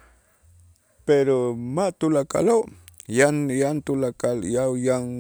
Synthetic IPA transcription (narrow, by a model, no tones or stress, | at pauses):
peɾomat̪ʊlaka̰lajanjant̪ʊlakaljajaŋ